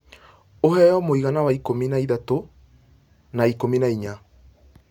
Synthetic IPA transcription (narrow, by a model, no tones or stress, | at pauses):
ohɛjɔmoiɣanawaikominaiðato | naikominaiɲa